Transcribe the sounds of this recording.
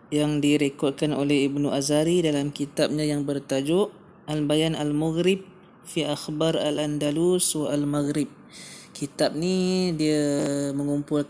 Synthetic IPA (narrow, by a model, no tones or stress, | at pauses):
jaŋdiɾekɔt̪̚kano̰lɛhibnuʔazaɾidalamkit̪ap̚ɲajaŋbərt̪ad͡ʒʊʔ | albajanalmaɣɾɪb̚ | fiʔaxbaɾa̰land̪aluswaalmaɣɾɪb̚ | kʰit̪ap̚nidiəməŋumpʊl